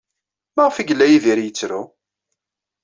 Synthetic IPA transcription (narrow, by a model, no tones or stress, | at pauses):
maʁfiɡlːæjiðiɾjət͡sːɾu